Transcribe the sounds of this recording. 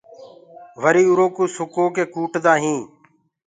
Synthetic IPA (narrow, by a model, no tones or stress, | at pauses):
ʋəɾiːuɾoːkuːsʊkoːkeːkuːʈd̪aːɦĩː